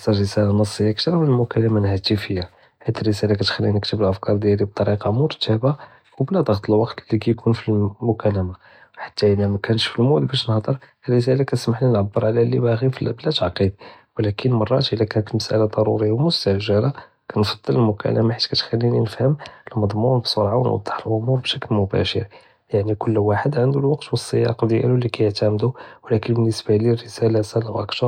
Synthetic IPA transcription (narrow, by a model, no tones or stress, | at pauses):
sɑɾəsælanəsˤːəjːakt̪ɾˤɑmnəlmʊkæləmanhæt̪əfəjːa | ħit̪ərːəsælakæt̪xælːinəkt̪əbəlʔəfkɑɾˤd̪jælib̚t̪ˤɑɾiqɑmʊɾt̪ʰæba | wblæd̪ˤɑɣt̪ˤəlwɑqt̪lːikæjkʰunfilmʊkæləma | ħḁt̪ːæʔəlæmækænʃfilmud̪bæʃnəhd̪ˤəɾ | ərːəs̬ælakæəsmaħlinʕabːəɾˤʕlælibæɣifblæt̪aʕqid̪̚ | wlækənmɑrˤːɑt̪ʔəlːækænət̪məsʔæ̰lad̪ˤɑɾˤuɾəjːawmʊst̪aʒəɾa | kænfɑd̪ˤːələlmʊkæ̰ləmaħat̪kæt̪xælːininəfhəmʔəlmɑd̪ˤmumbsoɾʕawə̰nwɑ̰d̪ˤːə̥ħəlʔʊmuɾbʃæklmʊbæ̰ʃə̰ɾ | jaʕnikʊlːwaħəd̪ʕənd̪ulwɑqt̪wəsˤːəjɑ̰qd̪jæ̰lulːikæjəʕt̪æmd̪uwlækənbənːəsbalirːəsælasælawʔækt̪ɑɾ